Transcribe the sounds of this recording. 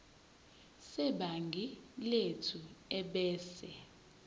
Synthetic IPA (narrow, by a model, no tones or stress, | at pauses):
sɛɓaŋɡʱiletʰuɛɓɛːsɛ